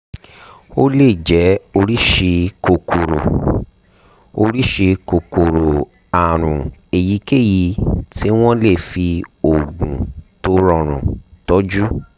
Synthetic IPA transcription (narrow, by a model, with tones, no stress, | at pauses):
o˦le˦˨d͡ʒɛ˨˦o˧ɾi˦ʃe˧ko˨kʰo˨ɾo˨ | o˧ɾi˦ʃe˧ko˨ko˨ɾo˨ | a˨ɾ̃ũ˨e˨ji˨˦ke˦˨ji˧ti˦w̃ɔ̃˦le˦˨fi˧o˨ɡũ˨to˦ɾɔ˧ɾ̃ṵ̃˨tɔ˦d͡ʒu˦